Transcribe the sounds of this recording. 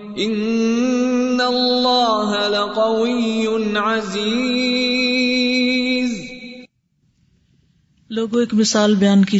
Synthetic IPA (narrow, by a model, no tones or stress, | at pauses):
ʔɪnː | allːɑːɦalaqɑwɪjːʊnʕaziː | z | loːɡõeːkmɪsaːlbɐjaːnkiː